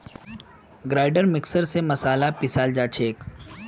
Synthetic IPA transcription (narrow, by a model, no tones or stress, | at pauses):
ɡɾaːɪɖəɾmɪksəɾsemɐsaːlapɪsaːld͡ʒaːt͡ʃʰeːk